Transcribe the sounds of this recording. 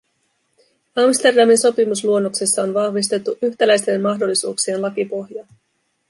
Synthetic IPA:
ɑmst̪e̞rdɑminso̞pimusluo̞nːo̞ksesːɑo̞nʋɑhʋis̬t̪e̞t̪ːuʔyçt̪ælæjst̪e̞nmɑɦdo̞lːisṵːksie̞nlɑkipo̞hjɑ

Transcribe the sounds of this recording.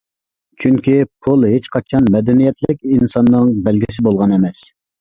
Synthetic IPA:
t͡ʃʰyŋkʲipʰulˠɦet͡ʃqʰɑt͡ʃʰɑnmɛd̪ɛnijɛt̪lɪkʲinsɑnːɨŋbɛlɡʲisɪbolˠʁɑnɛmɛs

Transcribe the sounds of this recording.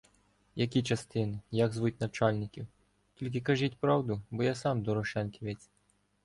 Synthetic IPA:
jɐkʲit͡ʃɐst̪ɪnɪjaɡzʋut̚ʲnɐt͡ʃɑlʲnʲɪkʲiw | tʲilʲk̬ɪkɐʒitʲpɾɑwd̪ʊbɔjasɑmd̪ɔɾɔʃɛnkʲiʋet͡sʲ

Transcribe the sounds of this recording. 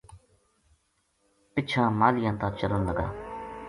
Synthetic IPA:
pɪt͡ʃʰãːmaːlɪjãːt̪ãːt͡ʃələnləɡa̰ː

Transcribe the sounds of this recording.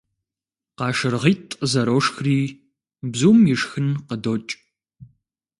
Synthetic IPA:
qɑːʃɨrʁiːtʼəzɐɾoːʂxriː | bzuːmjɪʂxɨnqədoːt͡ʃʼ

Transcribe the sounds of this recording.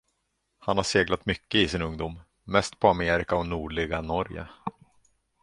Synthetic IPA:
hanhaʂeːɡlat̪mʏkːəɪsɪnɵŋd̪uːmː | ɛst̪pʰɔameːɾɪkaɔnuːɖɭɪɡanɔɾjə̰

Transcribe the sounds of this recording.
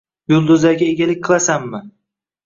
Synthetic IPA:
jʊlˠd̪ʊzaɡʲaeɡʲalɪk̚ʲqʰɨlˠasamːɪ

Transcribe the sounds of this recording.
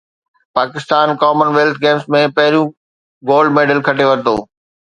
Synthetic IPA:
paːkɪst̪aːnkɔːmənʋeːlt̪ʰɡeːmsmẽpɐɦɪɾijũ | ɡoːlɖmeːɖəlkʰɐʈeʋɐɾt̪o̰ː

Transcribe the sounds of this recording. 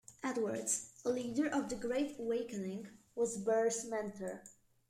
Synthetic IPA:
ʔætwə˞dzəliːdəɹʔɔvðəɡɹeɪtəweɪkənɪ̃ŋ | wɔzbɜɹsmɛ̃ntʰə˞

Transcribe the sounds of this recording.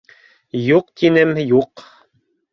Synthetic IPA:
juqt̪ʰinɘmjuq

